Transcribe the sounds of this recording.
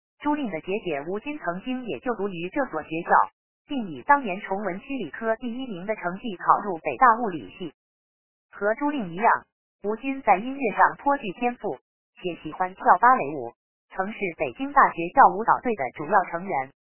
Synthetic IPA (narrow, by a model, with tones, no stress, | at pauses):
ʈ͡ʂu˥li˥˩ŋd̪ə˩t͡ɕjɛ˧˥t͡ɕjɛ˧˥u˧˥t͡ɕi˥nt͡sʰɤ˧˥ŋt͡ɕi˥ŋjɛ˨˩t͡ɕjo˥˩ʊt̪u˧˥y˧˥ʈ͡ʂɤ˥˩swɔ˨˩ɕɥɛ˧˥t͡ɕjɑ˥˩ʊ | pi˥˩ŋi˨˩t̪ɑ˥ŋnjɛ˧˥nʈ͡ʂʰʊ˧˥ŋwə˧˥nt͡ɕʰi˥li˨˩kʰɤ˥t̪i˥˩i˥mi˧˥ŋd̪ə˧ʈ͡ʂʰɤ˧˥ŋt͡ɕi˥˩kʰɑ˨˩ʊɻu˥˩pe˨˩ɪt̪a˥˧u˥˩lḭ˨˩ɕi˥˩ | xɤ˧˥ʈ͡ʂu˥li˥˩ŋi˧˥jɑ˥˩ŋ | u˧˥t͡ɕi˥nt͡sa˥˩ɪi˥nɥɛ˥˧ʂɑ˥˩ŋt̪ʰwɔ˥t͡ɕy˥˩t̪ʰjɛ˥nfu˥˩ | t͡ɕʰjɛ˧˥ɕi˨˩xwa˥nt̪ʰjɑ˥˩ʊpa˥le˧˥ɪṵ˨˩ | t͡sʰɤ˧˥ŋʂɻ̩˥˩pe˨˩ɪt͡ɕi˥ŋt̪a˥˩ɕɥɛ˧˥t͡ɕjɑ˥˩ʊu˧˥t̪ɑ˨˩ʊt̪we˥˩ɪd̪ə̰˩ʈ͡ʂu˨˩jɑ˥˩ʊʈ͡ʂʰɤ˧˥ŋɥɛ˧˥n